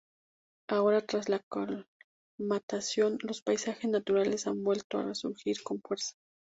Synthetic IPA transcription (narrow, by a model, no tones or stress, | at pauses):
aoɾat̪ɾaslakol | mat̪asjonlospajsaxesnat̪uɾale̞sambwe̞lt̪oa̰resuɾxiɾkonfweɾsḁ